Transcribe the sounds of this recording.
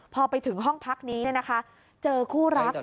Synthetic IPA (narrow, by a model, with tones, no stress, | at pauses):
pʰɔː˧pa˧jt̪ʰɯ˩˦ŋɦɔ˥˩ŋpʰa˦˥k̚niː˦˥i˥˩ɐna˦˥kʰa˦˥ | t͡ɕɤː˧kʰuː˥˩ɾa˦˥k̚